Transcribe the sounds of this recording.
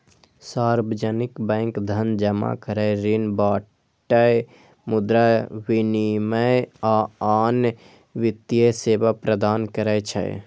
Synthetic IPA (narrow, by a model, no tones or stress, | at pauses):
saɾbəd͡ʒənikbə̃ɪŋkd̪ʱənd͡ʒəma̰kəɾəɪɾinbaː | ʈːə | mud̪ɾawiniməjaaːn | ʋit̪jəsebapɾəd̪aːnkəɾəjt͡ʃʰə̰j